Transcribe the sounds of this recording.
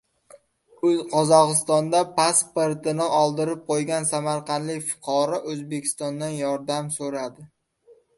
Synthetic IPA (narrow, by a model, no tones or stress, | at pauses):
ɵzqʰɒzɒqɨst̪ɒnd̪apaspeɾt̪ɪnɪʔɒlˠd̪ɪɾɪp̚qʰojɡʲansamaɾqʰɑnd̪lɪkʲfʊ̥qʰɒɾɒʔɵzbe̞kʲʰɪ̥st̪ɒnd̪anjɒɾd̪amsɵɾad̪ɪ